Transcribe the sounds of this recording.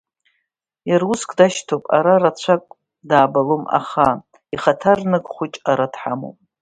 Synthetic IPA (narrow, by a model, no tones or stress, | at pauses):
jaruskʰʼdaʃtʰopʼa̰ɾarat͡ɕʷʰakʼ | daːbaloma̰χa | iχatʰarnɨɡʼχʷʊt͡ʃʼaɾadħamo̰pʼ